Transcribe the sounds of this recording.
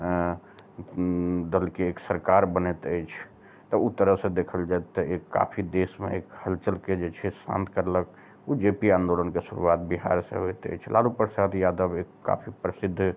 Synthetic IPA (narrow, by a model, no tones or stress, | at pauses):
d̪əlkeːksəɾkaɾbənet̪əjt͡ʃʰ | t̪ɔut̪ːəɾəɦsẽd̪ekʰəld͡ʒaet̪ːəekːa̰pʰid̪esmḛekhəlt͡ʃəlked͡ʒet͡ʃʰɛsã̰nt̪ʰkəɾlək | ud͡ʒepiãːnd̪olənkesuɾṵat̪̚biɦa̰ɾsḛɦoet̪ə̰jt͡ʃʰlʔalupɾəsad̪jad̪əbekːa̰pʰipɾəsid̪ʱː